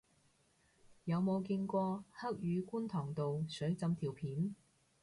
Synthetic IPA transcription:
jɐ˨˧wmo˨˧wki˧nkʷɔː˧hɐ˥k̚jyː˨˧ku˥nt̪ʰɔː˨˩ŋt̪o˨wsɵ˨˥ɥt͡sɐ˧mt̪ʰiː˨˩wpʰiː˨˥n

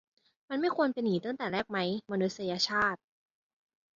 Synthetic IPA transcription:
ma˧nma˥˩jkʰu˧ənpe˧nːiː˨˩˦t̪a˥˩ŋt̪ɛː˨˩ɾɛː˥˩k̚ma˦˥jma˧nu˦˥t̪̚sa˧jaː˧t͡ɕʰaː˥˩t̪̚

